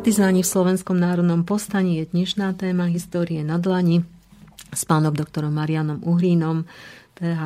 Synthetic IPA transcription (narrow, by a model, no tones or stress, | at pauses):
t̪izaːɲifslɔʋɛnskɔmnaːɾɔd̪nɔmpɔst̪aɲijɛɲɛʃnaːt̪ɛːmaɦist̪ɔːɾiɛnad̪laɲi | spaːnɔmd̪ɔk̚t̪ɔɾɔmːaɾianɔmʔuɦɾiːnɔmpɛːɦa